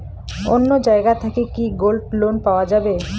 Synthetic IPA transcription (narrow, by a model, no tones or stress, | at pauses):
onːod͡ʑaeɡat̪ʰakekiɡolɖlonpaoad͡ʑabe